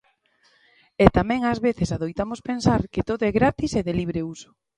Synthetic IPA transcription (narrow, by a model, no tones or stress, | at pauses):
et̪amɛ̃ŋazβeθesaðojt̪amospensaɾket̪oðoɛɣɾat̪iseðeliβ̞ɾeuso̥